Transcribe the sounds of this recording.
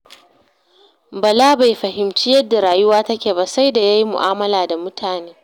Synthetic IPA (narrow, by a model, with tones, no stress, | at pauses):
bɐ˨laː˦ba˨jɸɐ˨ɦɪ˨mt͡ʃi˦jɐ˦dːa˨ɾaː˨jʊ˦waː˦tɐ˦kʲeː˨ba˨sa˦jda˨ja˦ji˦mʊ̰˨ʔaː˦mɐ˦laː˨da˨mʊ˦tʰaː˨neː˦